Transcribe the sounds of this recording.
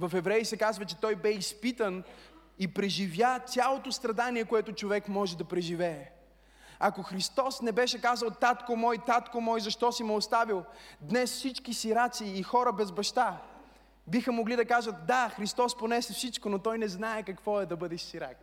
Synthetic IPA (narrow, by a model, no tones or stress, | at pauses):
vɐfɛvɾɛjsɛkazvɐt͡ʃɛt̪ɔjbɛispit̪ən | ipɾɛʒivʲjat̪ʲalˠot̪ost̪ɾɐd̪aniɛkoɛt̪ʊt͡ʃovɛkmɔʒɛd̪ɐpɾɛʒivɛː | akoxɾist̪ɔsnɛbɛʃɛkazəlˠt̪at̪komɔjt̪at̪komɔjzɐʃt̪ɔsimɛost̪avilˠd̪nɛsfsit͡ʃkisiɾat̪siːxɔɾəbɛzbɐʃt̪a | bixəmoɡlid̪ɐkaʒət̪d̪axɾist̪ɔsponɛsɛfsit͡ʃkonot̪ɔjnɛznaɛkɐkv̥ɔɛd̪ɐbɤd̪ɛʃsiɾa̰k